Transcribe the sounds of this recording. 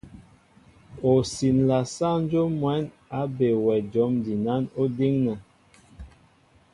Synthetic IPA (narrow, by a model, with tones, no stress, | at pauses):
o˨si˨nla˨sa˦n˦d͡ʒo˦mwɛ˨˦n | a˨˦be˨wɛ˨d͡ʒɔ˨˦mdi˨na˦no˦di˦ŋna˨